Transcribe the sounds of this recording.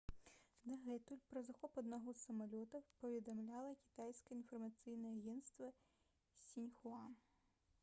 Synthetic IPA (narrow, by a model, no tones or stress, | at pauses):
d̪ɐɣɛt̪ulʲpɾɐzɐxɔpɐd̪nɐɦɔsɐmɐlʲɔt̪ɐpɐvʲɛd̪ɐmlʲalˠɐkʲi̥t̪ajsʲkɐinfɐrmɐt̪sɨjnɛɛɐɣʲɛnt̪st̪vɐ | sʲinʲxʊan